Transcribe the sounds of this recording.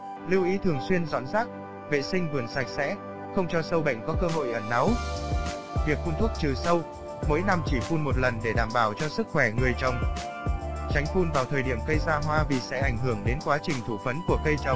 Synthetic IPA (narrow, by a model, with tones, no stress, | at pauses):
li˧wʔi˨˦t̪ʰɨ˨˩əŋswi˧ənzɔ̰˧˥nzaː˦˥k̚ | vḛ˧˨sï˧ŋ̟vɨ˨˩ənsa˨˩jk̟̚sɛ̰˧˥ | xə˧wŋ͡mt͡ɕɔ˧sə˧wɓə̰˧˨jŋ̟kɔ˨˦kəː˧ɦo̰˧˨jʔəː˧˩na˨˦w | vi˨˩ək̚fu˧nt̪ʰu˦˥ək̚t͡ɕɨ˨˩sə˧w | mo̰˧˥jna˧mt͡ɕi˧˩fu˧nmo˨˩t̚lə˨˩nɗe˧˩ɗaː˧˩mɓaː˧˩wt͡ɕɔ˧sɨ˦˥k̚xwɛ˧˩ŋɨ˨˩əjt͡ɕə˨˩wŋ͡m | t͡ɕa˨˦jŋ̟fu˧nvaː˨˩wt̪ʰəː˨˩jɗi˧˩əmkə˧jzaː˧ɦwaː˧vḭ˨˩sɛ̰˧˥ʔa˧˩jŋ̟ɦɨ˧˩əŋɗe˨˦nkwaː˨˦t͡ɕï˨˩ŋ̟t̪ʰu˧˩fə˨˦nku˧˩əkə˧jt͡ɕə˨˩wŋ͡m